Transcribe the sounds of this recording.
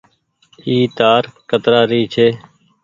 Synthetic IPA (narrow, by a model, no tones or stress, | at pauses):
iːt̪aːɾkət̪ɾaːɾiːt͡ʃʰeː